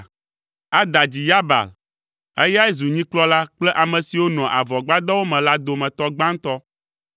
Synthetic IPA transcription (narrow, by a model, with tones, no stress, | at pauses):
a˦d̪a˨d͡ʑi˨ja˦ba̰˨l | ɛ˦ja˦ɛ˦zu˨ɲĩ˦k͡plɔ˦la˦k͡plɛ˦ʔa˨mɛ̃˨si˨wo˦nɔ̃˨ʔa˨vɔ˨ɡ͡ba˦d̪a˦wo˦mɛ̃˨la˦d̪o˨mɛ̃˨t̪ɔ˦ɡ͡ba˦ŋ̩˦t̪ɔ˦